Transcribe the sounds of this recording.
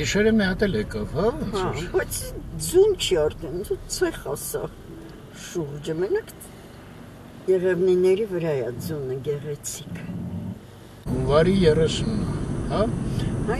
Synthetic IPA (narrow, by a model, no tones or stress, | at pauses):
ɡiʃɛɾəmiɑt̪ɛlɛkɑvhɑbɑt͡sʰd͡zunt͡ʃʰiɑɾt̪ʰɛnd̪ut͡sʰɛɾχɑsɑ̰v | ʃuɾd͡ʒəmɛnɑkʰ | jɛʁɛvninɛɾivəɾɑjɛd͡zunəɡɛʁɛt͡sʰikʰ | huɱvɑɾijɛrɛsunhɑ